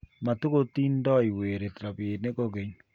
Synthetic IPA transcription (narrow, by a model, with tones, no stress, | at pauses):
ma˨tu˦ko˦tiː˦ndɔ˦i˨weː˨ɾe˨tɾa˨beː˨ne˦ko˦ɡe˨ɲ